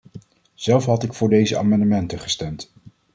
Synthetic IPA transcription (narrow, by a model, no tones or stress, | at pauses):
z̥ɛlˠfɦɑtɪkfʊːɹdejzəa̰ːmɑndəmɛntəχə̥stɛmt